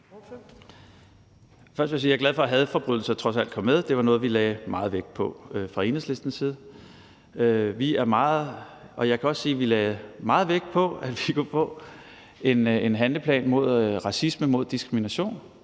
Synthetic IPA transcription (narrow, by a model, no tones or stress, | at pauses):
fɶɐd̥ʋesiːjɑɡ̥læð̞ˠfɒ̽ɦæð̞̩ˠfɒ̽b̥ʁyð̰ˠl̩sɐt͡sʰʁɒ̽sæl̰d̥̚kʰɒ̽mːeð̞ˠd̥e̝ʋɑ̈nɔ̽ːð̞̩ˠʋilɛːɪmɑ̈ːð̩ˠʋeɡ̥d̥̚pʰɒ̽øfʁɑ̈e̝nəsle̝sd̥n̩siːð̞̩ˠ | øʋiæɐmɑ̈ːð̩ˠʔɒ̽jɑ̈ɪkʰæɒ̽sːiːʋilɛːmɑ̈ːð̩ˠʋeɡ̥̚d̥̚pʰɒ̽æd̥ʋikʰufɔ̰̽ː | e̝ne̝nɦænləpʰlɛ̰ːnmo̝ð̰ˠʁɑ̈sisməmo̝ð̞̰ˠd̥isɡ̥ʁiminæɕo̝̰ːn